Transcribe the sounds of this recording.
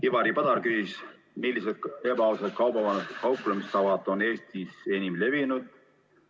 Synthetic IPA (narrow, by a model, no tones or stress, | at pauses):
kivɑɾipɑd̪̥ɑɾkyːs | milːiset̪̚e̞bɑosɑt̪̚kɑwbɑvɑnɑst̪ekɑwplemist̪ɑvɑt̪ˑo̞ne̞ːst̪ise̞nimle̞vinud̪̥̚